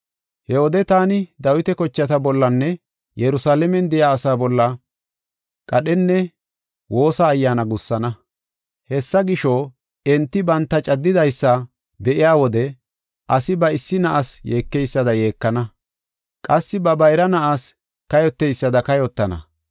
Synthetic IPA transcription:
hɛɔd̪ɛt̪aːnɪd̪ɐwɪt̪ɛkɔt͡ʃːɐt̪ɐbɔlːɐnːɛ | jɛɾʊsaːlɛmɛnd̪ɛjaːsaːbɔlːɐ | kʼɐɗɛnːɛ | wo̞ːsɐːjːaːnɐɡʊsːɐnɐ | hɛsːɐɡɪʃo | ɛnt̪ːɪbɐnt̪ːɐt͡ʃʼɐd̪ːɪd̪ɐjsːɐ | bɛʔɪjaːwɔd̪ɛ | ʔɐsɪbɐɪsːɪnɐʔasjeːkːɛjsːɐd̪ɐje̞ːkːɐnɐ | kʼɐsːɪbɐbɐjɾɐnɐʔas | kɐjɔt̪ːɛjsːɐd̪ɐkɐjɔt̪ːɐnɐ̰

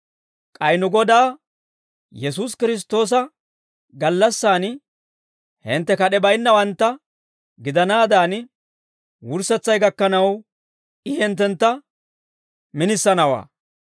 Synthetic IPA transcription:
kʼɐjnʊɡɔd̪aː | jɛsuːs̬kɪɾɪs̬t̪o̞ːs̬ɐ | ɡɐlːɐsːaːn | hɪnt̪ːɛkɐɗɛbɐjnːɐwɐnt̪ːɐ | ɡɪd̪ɐnaːd̪aːn | wʊɾsɛt͡sːɐjɡɐkːɐnɐw | ɪhɛnt̪̬ːɛnt̪ːɐ | mɪnɪsːɐnɐwa̰ː

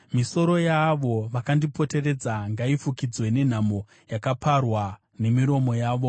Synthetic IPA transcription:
miso̞ɾo̞jaʋo̞ʋakandipo̞te̞re̞d͡zaŋɡaifukid͡zwe̞ne̞n̤amo̞ | jakaparwa | ne̞miɾo̞mo̞jaːʋo̞

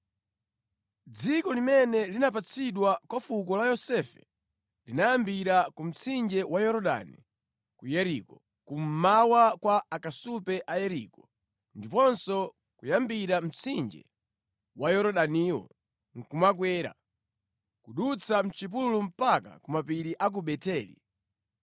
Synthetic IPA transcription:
d͡zikɔlimɛnɛlinap̬at͡sʰiɗwakwafuk̬ɔlajɔsɛfɛ | linajambiɾakum̩t͡sʰind͡ʒɛwajɔɾɔɗa̰ni | kujɛɾikɔ | kum̩mawakwaakasupɛʔajɛɾikɔ | ndipɔnsɔ | kujambiɾam̩t͡sʰind͡ʒɛ̰ | wajɔɾɔɗaniːwɔ̰ | ŋ̩kumak̬wɛːɾa̰ | kuɗut͡sʰam̩t͡ʃip̬ululum̩paka̰kumapiɾiʔak̬uɓɛtɛːlḭ

